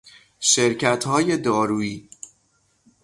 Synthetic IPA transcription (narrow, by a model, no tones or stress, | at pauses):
ʃeɾcʰæt̪hɒːje̞d̪ɒːɾuːiː